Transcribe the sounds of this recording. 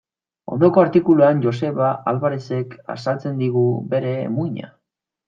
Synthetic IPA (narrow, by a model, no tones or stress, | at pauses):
o̞̰nd̪o̞ko̞aɾt̪ikuluand͡ʒo̞se̞βaʔalβaɾese̞ka̰salt͡se̞nd̪iɣ̞ube̞ɾe̞̰ːmuɣiɲa̰